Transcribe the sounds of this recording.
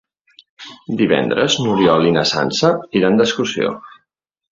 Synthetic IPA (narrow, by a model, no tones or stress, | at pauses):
d̪iβɛ̰nd̪ɾəznuɾjɔlinəsa̰nsəiɾand̪əskusio̰